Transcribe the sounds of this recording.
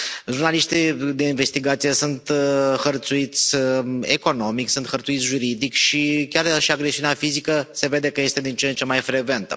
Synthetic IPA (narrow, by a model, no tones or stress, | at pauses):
ʒurnaliʃt̪id̪e̞inve̞st̪iɡat̪sijesunt̪xərt̪suit̪sʲḛko̞no̞miksunt̪xərt̪suit̪sʲʒuɾid̪ikʃikʲarʃiaɡɾesiuneafizikəse̞ve̞d̪e̞kəje̞st̪e̞d̪int͡ʃeent͡ʃe̞majfɾe̞ɡve̞nt̪ə